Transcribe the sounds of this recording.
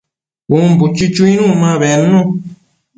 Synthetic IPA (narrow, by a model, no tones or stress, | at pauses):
bumbut͡ʃit͡ʃuĩnũmãβenːũ